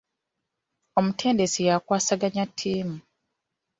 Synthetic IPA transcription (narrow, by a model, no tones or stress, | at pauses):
omutʰe̞ːndesijakwaːsaɡaɲatʰːiːmu